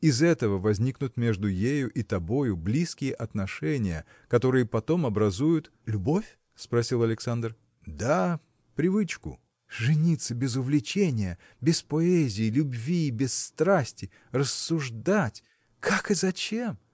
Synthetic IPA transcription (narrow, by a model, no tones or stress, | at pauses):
ɪzɛt̪əvəvɐzʲnʲiknʊt̪mʲe̞ʐd̪ʊjejʊʔit̪ɐbo̞jʊblʲiskʲɪjəʔɐt̪nɐʂɛnʲɪjə̰ | kɐt̪o̞ɾɨjəpɐt̪o̞mɐbɾɐzujʊt̪ | lʲʊbo̞fʲ | spɾɐsʲilˠɐlʲɪksand̪r | d̪a | pɾʲɪvɨt͡ɕkʊ̰ | ʐɨnʲit̪sːəbʲɪzʊvlʲɪt͡ɕenʲɪjə | bʲɪspɐɛzʲɪːlʲʊbvʲibʲɪsːt̪ɾasʲtʲɪ | rəsːʊʐd̪atʲ | kʰakɨzɐt͡ɕem